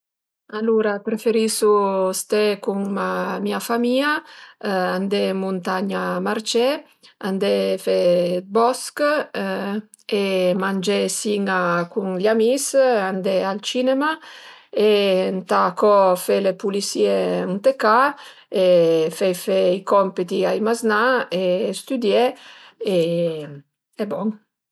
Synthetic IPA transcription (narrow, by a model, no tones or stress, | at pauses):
aluɾapɾefeɾisust̪ekuŋmamiafamiːa | and̪emunt̪aɲamaɾt͡ʃe | and̪efebɔsk | emand͡ʒesiŋakuŋlamisand̪ealt͡ʃinemaent̪akɔfelepulisieunt̪eka | efɛjfeikɔmpit̪iajmaznaest̪yd̪je | e | ɛbɔŋ